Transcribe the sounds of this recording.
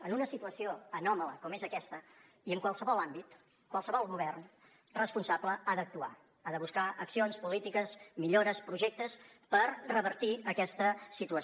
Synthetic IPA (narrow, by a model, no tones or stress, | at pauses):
ənunəsit̪uəsioənɔmələ̰kɔmezəkɛst̪ə | iəŋkwalˠsəβɔlˠambit̪ | kːwalˠsəβɔlˠɣuβɛrn | rəspunsabləaðək̚t̪ua̰ | aðəβuskaəksionspulit̪ikəsmiʎoɾəspɾuʒek̚t̪əs | pəɾrəβəɾt̪iəkɛst̪əsit̪uə